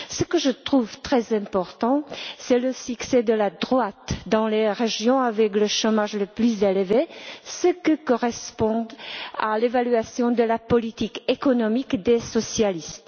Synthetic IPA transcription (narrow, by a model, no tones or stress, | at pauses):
səkəʒət̪χuvt̪χɛzɛ̃pɔʁt̪ɑ̃sɛləsyksɛd̪əlad̪ʁwat̪d̪ɑ̃leʁeʒjɔ̃avɛkləʃɔmaʒləplyzelvesəkəkɔʁɛspɔ̃d̪alevalɥasjɔ̃d̪əlapɔlit̪ikekɔnɔmikd̪esɔsjalist̪